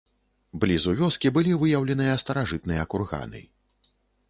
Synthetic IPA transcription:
blʲizuvʲɔskʲibɨlʲivɨjɐwlʲɛnɨjɐst̪ɐɾaʐɨt̪nɨjɐːkurɣa̰nɨ̰

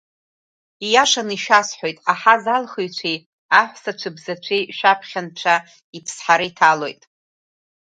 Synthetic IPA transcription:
ijaʂaniʃasħo̞jtʼaħazalχɨjt͡ʃʷʰej | aħʷsat͡ʃʷʰɨbzat͡ʃʷʰejʃᶣapʰχʲanʈ͡ʂʷʰa | ipʰsħaɾɨitʰalo̞jtʼ

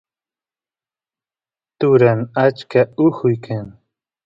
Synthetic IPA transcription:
t̪ʊɾanat͡ʃkaʊhʊjkʰaŋ

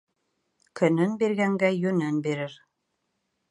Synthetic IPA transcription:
kʰɵ̆nɵnbiɾɡæŋɡæjɵ̆nɘnbiɾɘɾ

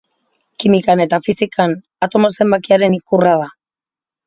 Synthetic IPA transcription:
kimikane̞t̪afisikan | at̪o̞mo̞se̞mbakiaɾe̞nikuraða

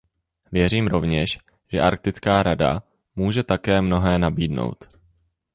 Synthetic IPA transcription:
vjɛriːmɾo̞vɲɛʃ | ʒ̥ɛʔaɾk̚t̪ɪt͡skaːɾada̰ | muːʒɛt̪akɛːmno̞ɦɛːnabiːdno̞̰wt̪

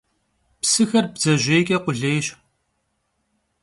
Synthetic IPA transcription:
psɨxɐrbzɐʑʷeːkʲʼɐqʷʊɮeːjɕ

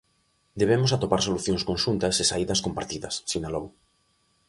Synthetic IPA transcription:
d̪eβ̞emosat̪opaɾsoluθjõŋskonʃunt̪ɐsesaiðɐskompaɾt̪iðɐsːinalow

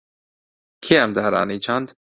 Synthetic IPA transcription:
kʰeæmd̪aːɾa̰ːniːt͡ʃʰand̪

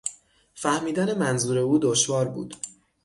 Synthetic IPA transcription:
fæhmiːd̪æne̞mænzuːɾe̞uːd̪oʃvɒːɾbṵːd̪̥

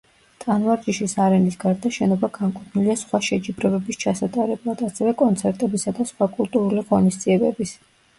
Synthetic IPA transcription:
t̪ʼanvaɾd͡ʒiʃisaɾɛnisɡaɾd̪aʃɛnɔbaɡamkʼut̪ʰniliasχwaʃɛd͡ʒibɾɛbɛbist͡ʃʰasat̪ʼaɾɛblˠad̪asɛvɛkʼɔnt̪sʰɛɾt̪ʼɛbisad̪asχwakʼulˠt̪ʼuɾuliʁɔnisd̪ziɛbɛbis

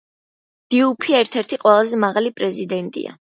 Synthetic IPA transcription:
d̪̥iupʰiɛɾt̪ʰɛɾt̪ʰiqʼwɛlˠazɛmaʁalipʼɾɛzid̪ɛnt̪ʼḭa̰

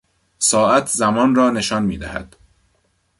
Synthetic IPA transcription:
sɒːʔæt̪ʰzæmɒːnrɒːne̞ʃɒːnmiːd̪æhæ̰d̪̥

